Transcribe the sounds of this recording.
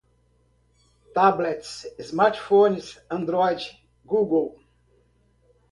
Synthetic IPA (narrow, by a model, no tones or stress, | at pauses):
t̪ablɛt̪sɪzmaɾtfõnzãnd̪ɾɔjd͡ʒ | ɡuɡəlˠ